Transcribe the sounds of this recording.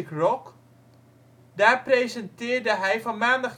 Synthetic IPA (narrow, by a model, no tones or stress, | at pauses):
krɔk | daːrprejzəntɪːrdəɦɛjfɔnmaːndɑχ